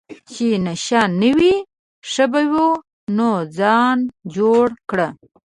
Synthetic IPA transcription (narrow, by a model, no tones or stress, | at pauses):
t͡ʃenaʃɑnəwi | ʂəbawu | nod͡zɑnd͡ʒoɽkɽə